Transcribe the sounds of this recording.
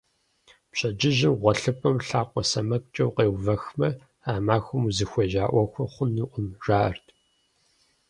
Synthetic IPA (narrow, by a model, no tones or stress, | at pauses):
pɕʼɐd͡ʒɪʑɪmʁʷɔɬɨpʰɐmɬaːqʷɔsɐmɐk̚ʼt͡ʃʼɐwqeːwvɐxmɐ | aːmaːxʷʊmuzɨxʷeːʒaːʔʷɐxʷɔχʷʊnɨʔʷʊmʒ̥aːɐrtʰ